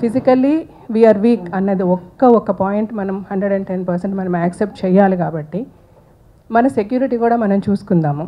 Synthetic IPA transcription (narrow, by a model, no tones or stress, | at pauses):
pʰisikɐlːi | ʋiːaːɾʋiːkɐnːɐd̪iɔkːɐɔkːɐpaːjeɳʈmɐnɐmhɐɳɖɾeɖɐɳɖʈenpɐɾseɳʈmɐnɐmaːksep̚ʈ̚t͡ʃɛːjːaːlik̬aːbɐʈːi | mɐnɐsekjuːɾiʈiːkuːɽaːmɐnɐmt͡ʃuːsu̥kund̪aːmu